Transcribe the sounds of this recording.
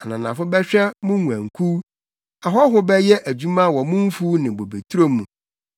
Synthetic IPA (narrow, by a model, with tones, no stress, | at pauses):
a˨nã˨nã˨fʊ˦bɛ˦ɕᶣɛ˦mʊ̃˦u˨æ̃˨ŋ̩˨kʰu˦ | a˨ɦɔ˦ɦʊ˦bɛ˦jɛ˦ʔæ˨d͡ʑᶣu˦mã˦˨wɔ˨mʊ̃˦m̩˦fu˦nɪ̃˨bo˨be˨tʰu˦ɾo˦mũ˨